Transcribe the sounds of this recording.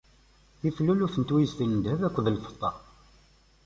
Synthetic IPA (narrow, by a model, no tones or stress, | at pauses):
θifluluθənt̪wijzθənnd̪ævækʷːəðəlfə̥t̪ˤːɑ